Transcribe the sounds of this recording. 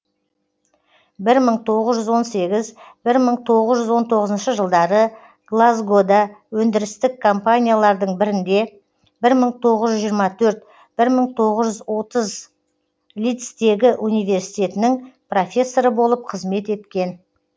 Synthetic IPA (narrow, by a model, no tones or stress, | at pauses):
bɪɾməɴt̪ʰo̞ʁəzʒʏzwo̞nse̞ɡʲɪzb̥ɪɾməɴt̪ʰo̞ʁəzʒʏzwo̞nt̪ʰo̞ʁəzənʃəʒəlˠd̪ɑɾə | ɡ̥lˠazɡod̪awɵnd̪ɪɾɪst̪ɪkʰo̞mpanʲijalˠɑɾd̪əɴbɪɾɪnd̪e̞ | bɪɾməɴt̪ʰo̞ʁəzʒʏzʒijɾmɑt̪ʰɵɾt̪̚ | b̥ɪɾməɴt̪ʰo̞ʁəzʒʏzwo̞t̪əz | lʲijt̪st̪e̞ɡʲɪʔunijvʲe̞ɾsi̥t̪ʲe̞t̪ɪnɪŋpro̞fʲe̞sːo̞ɾəbo̞lˠəp̚qʰəzme̞t̪e̞t̪kʲe̞n